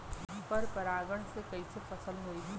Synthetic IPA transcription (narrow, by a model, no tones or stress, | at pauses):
pəɾpɐɾaːɡəɳ̃sekɐisepʰɐsəlɦoiɦi